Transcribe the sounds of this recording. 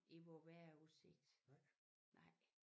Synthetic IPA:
eʋɔʋæɐuseɡ̥̚d̥ | nʔɑ̈ɪ̰

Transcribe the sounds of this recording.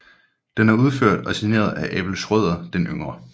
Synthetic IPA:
d̥enæɐuð̞ˠføɐ̰d̥ɒ̽sine̝̰ːɐð̞ˠæʔɛb̥l̩sʁœð̞̰ˠɐd̥enʔøŋʁɐ

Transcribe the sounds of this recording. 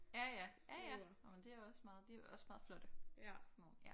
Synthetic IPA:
jæjææjæ | omend̥e̝æjɒ̽smɑ̈ːð̩ˠd̥e̝æɒ̽smɑ̈ːð̩ˠflɔ̽d̥əsnoːn̩jæ

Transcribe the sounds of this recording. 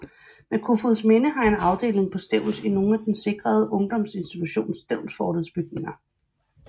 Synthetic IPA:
mekʰufoðsmenəɦɑ̈e̝nɑ̈ʊd̥e̝̰ːle̝ŋpʰɒ̽sd̥eʊ̰l̩sino̝ːn̩æd̥en̩se̝ɡ̥ʁɐð̞ˠʔɔ̽ŋd̥ɒ̽mse̝nsd̥it͡sʰuɕo̝̰ːnsd̥eʊ̰lsfɒːɾəðˠsb̥yɡ̥̚ne̝ŋɐ

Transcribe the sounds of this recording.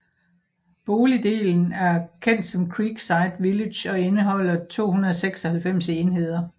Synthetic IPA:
b̥o̝ːlid̥e̝̰ːln̩æɐkʰen̰d̥sɒ̽mkʰʁiːɡ̥sɑ̈ɪd̥ʋiled̥jɒ̽e̝nəɦɒ̽l̰ɐt͡sʰo̝̰ːhunɐðˠɒ̽seɡ̥sɒ̽hælfem̰seːnɦe̝ð̞̰ˠɐ

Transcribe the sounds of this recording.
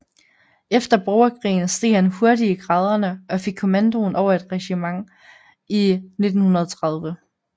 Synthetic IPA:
efd̥ɐb̥ɒʊɐkʰʁḭːn̩sd̥e̝̰̥ːhænho̝ɐdiɡ̥ʁɑːð̞ˠɐnəʔɒ̽fe̝ɡ̥̚kʰo̝mænd̥o̝ːnʔɒʊ̰ɐe̝d̥ʁɛɕimɑ̈ŋ | ine̝d̥n̩hunɐðˠt͡sʰʁɑ̈ð̞ˠʋə

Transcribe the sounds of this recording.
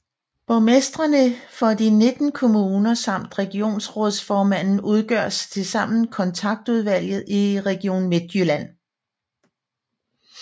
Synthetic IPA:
b̥ɒmesd̥ʁɐnəfɒ̽d̥ine̝d̥n̩kʰo̝muːnɐsɑ̈m̰d̥ʁɛɡ̥io̝̰ːnsʁɔðˠsfɒːmæn̰n̩uð̞ˠɡ̥ɶɐ̰st͡sʰe̝sɑ̈m̰n̩kʰɒ̽nt͡sʰɑ̈ɡ̥̚d̥uð̞ˠʋæl̰jð̞̩ˠiʁɛɡ̥io̝̰ːnme̝d̥jylæn̰

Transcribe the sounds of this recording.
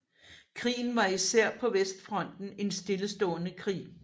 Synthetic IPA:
kʰʁḭːn̩ʋɑ̈isæɐ̰pʰɒ̽ʋesd̥fʁɒ̽n̰d̥n̩e̝nsd̥e̝ləsd̥ɔ̰̽ːnəkʰʁḭː

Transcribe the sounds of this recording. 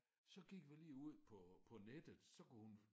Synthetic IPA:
sɒ̽ɡ̥iɡ̥ʋiliːuð̞̰ˠpʰɒ̽pʰɒ̽ned̥ð̩ˠsɒ̽kuhun

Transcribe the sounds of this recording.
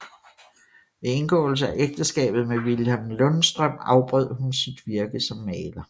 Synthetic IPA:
ʋe̝e̝nɡ̥ɔ̰̽ːl̩s̬əæʔeɡ̥̚d̥əsɡ̥ɛ̰ːb̥ð̩ˠmeʋilæmlɔ̽nsd̥ʁœm̰ɑ̈ʊb̥ʁœð̰ˠhunsid̥ʋiɐɡ̥əsɒ̽mːɛːlɐ

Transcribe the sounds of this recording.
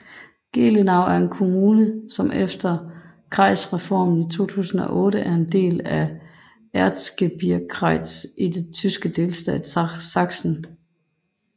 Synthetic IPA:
ɡ̥e̝̰ːlenɑ̈ʊ̰æɐe̝nkʰo̝muːnəsɒ̽mʔefd̥ɐ | kʰʁɑ̈ɪsʁɛfɒ̰ːmn̩it͡sʰo̝̰ːt͡sʰṵːsn̩ɒ̽ʔɔ̽ːɾəʔæɐe̝nd̥e̝̰ːlæ | æɐd̥sɡ̥eb̥iɐkʰʁɑɪd̥sid̥e̝t͡sʰysɡ̥əd̥e̝lsd̥ɛ̰ːdssɑ̈ɡ̥sn̩

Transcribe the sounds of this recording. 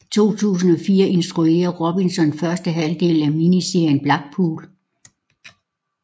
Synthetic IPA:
t͡sʰo̝̰ːt͡sʰṵːs̬n̩ɒ̽fiːɐʔe̝nsd̥ʁue̝̰ːɐʁob̥insɒ̽nfɶɐsd̥əɦæld̥e̝̰ːl̩æminise̝ɐjənb̥lɑ̈ɡ̥̚pʰṵːl

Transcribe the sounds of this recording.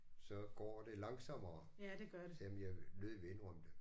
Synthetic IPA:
sɒ̽ɡ̥ɒ̰ːd̥e̝lɑ̈ŋsɒmɐː | deɡ̥ɶɐdsɛmenjaløðˠʋenʁɒmd̥e

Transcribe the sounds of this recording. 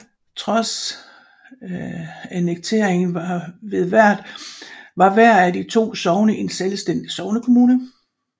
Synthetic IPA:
t͡sʰʁɒ̽s | æneɡ̥̚t͡sʰe̝̰ɐ̰eŋn̩ʋɑʋe̝ð̞ˠʋæɐ̰d̥ | ʋɑ̈ʋæɐ̰æd̥it͡sʰo̝̰ːsɒʊnəʔe̝nselsd̥en̰d̥isɒ̽ʊnəkʰo̝muːnə

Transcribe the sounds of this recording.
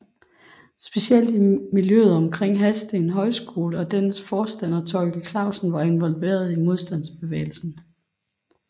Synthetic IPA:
sb̥e̝siel̰d̥imiljøːð̩ˠɒ̽mkʰʁeŋ̰ɦæsd̥enɦɒ̽ɪsɡ̥o̝ːləɒ̽d̥ensfɒːsd̥æn̰ɒt͡sʰɒ̽ɪɡ̥l̩kʰlɑ̈ʊsn̩ʋɑ̈e̝nʋɒ̽lʋe̝̰ːɐð̞ˠimo̝ð̞ˠsd̥æn̰sb̥e̝ʋḛːɪl̩sn̩

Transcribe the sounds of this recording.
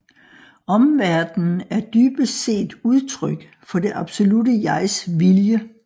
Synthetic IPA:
ɒ̽mʋæɐd̥n̩æɐd̥yːb̥əse̝̰ːd̥uð̞ˠt͡sʰʁœɡ̥ | fɒ̽d̥e̝ʔɑ̈b̥so̝ludəjɑ̈ɪsʋiljə

